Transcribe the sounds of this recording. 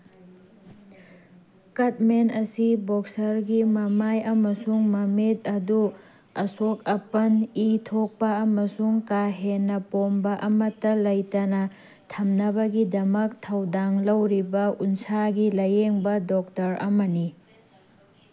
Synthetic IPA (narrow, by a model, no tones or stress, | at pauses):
kɐt̚menɐsiboksɐɾɡimɐmajɐmɐsuŋmɐmet̚ɐdu | ɐsok̚ɐpɐnitʰok̚pɐɐmɐsuŋkaɦenːɐpombɐʔɐmɐtːɐlɐjtɐnɐ | tʰɐmnɐbɐɡidɐmɐk̚tʰɐwdaŋlɐwɾibɐunsaɡilɐjeŋbɐdɔk̚tɐɾɐ̰mɐni